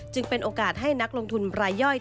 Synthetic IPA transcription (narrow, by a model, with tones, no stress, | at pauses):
t͡ɕɯ˧ŋpe˧nʔoː˧kaː˨˩t̪̚ɦa˥˩jna˦˥k̚lo˧ŋt̪ʰu˧nɾaː˧jːɔ˥˩j